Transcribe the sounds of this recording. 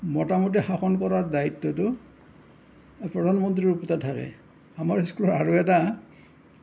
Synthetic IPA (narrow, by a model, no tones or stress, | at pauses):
mɔtamɔt̬ixaxɔnkɔɹaɹdaitːɔtʊ | pɹɔdʱanmɔntɹiɹupɔtatʰakɛ̰ | amaɹiskulɔɹaɹuɛta